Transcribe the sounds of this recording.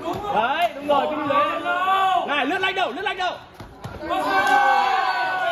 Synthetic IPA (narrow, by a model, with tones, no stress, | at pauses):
ʔə˧jɗʊ˨˦ŋ͡mzo˨˩jt͡ɕm˨e˨˦˧ŋaː˨˩jlɨ˦˥k̚la˧jŋ̟ɗə˨˩wlɨ̰˦˥t̚la˧jŋ̚ɗə˨˩w